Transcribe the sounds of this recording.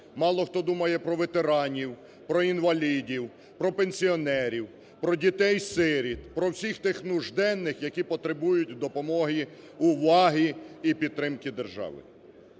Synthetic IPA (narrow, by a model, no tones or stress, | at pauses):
mɑlˠɔxt̪ɔd̪umɐjɛpɾɔʋet̪eɾɑnʲiw | pɾɔinʋɐlʲidʲiw | pɾɔpenʲsʲiɔnɛɾʲiw | pɾɔdʲit̪ɛjsɪɾʲit̪pɾɔwsʲixt̪ɪxnʊʒd̪ɛnːɪxjɐkʲipɔt̪ɾebujʊtʲwd̪ɔpɔmɔɦi | ʊʋɑɦiipʲid̪̚t̪ːɾɪmkɪd̪erʒɑ̰ʋɪ̰